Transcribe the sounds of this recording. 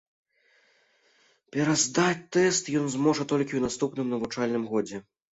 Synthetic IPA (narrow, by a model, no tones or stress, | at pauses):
pʲɛɾazd̪at͡sʲt̪ɛst̪jɔnzmɔʐɐt̪ɔlʲkʲiwnast̪upnɨmnɐvut͡ʂalʲnɨmɣɔd͡zʲɛ